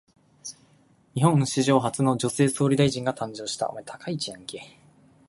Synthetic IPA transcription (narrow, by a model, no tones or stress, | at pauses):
ɲiɦõ̞nɕiʑo̞ːɦat͡sɨno̞d͡ʑo̞se̞ːso̞ːɾʲid̪aiʑĩŋɡat̪ãɲ̟d͡ʑo̞ːɕi̥t̪a̰omat̪ʰḁkʰait͡ɕiãŋkeː